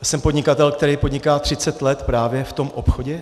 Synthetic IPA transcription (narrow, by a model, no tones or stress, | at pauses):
sɛmpo̞dɲɪkat̪ɛlk̚t̪ɛɾɛjpo̞dɲɪkaːt̪r̥ɪt͡sɛt̪lɛt̪pɾaːvjɛft̪o̞mʔo̞pxo̞ɟɛ